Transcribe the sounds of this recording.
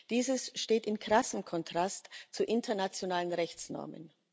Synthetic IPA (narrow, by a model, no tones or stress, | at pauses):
d̥iːzəsʃteːtɪnkʁ̥asəm̩kʰɔntʁ̥astt͡suʔɪntʰɐnat͡sjonaːlənʁɛçt͡snɔ̰ɐmə̰n